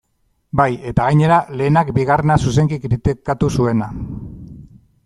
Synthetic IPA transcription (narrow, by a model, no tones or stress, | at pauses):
baje̞t̪aɣajɲe̞ɾale̞ːnakbiɣarenasuse̞ŋɡikɾit̪ikat̪usue̞na